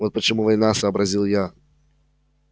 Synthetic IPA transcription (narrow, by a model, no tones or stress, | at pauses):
vot̪̚pət͡ɕɪmuvɐjnasəːbɾɐzʲilˠja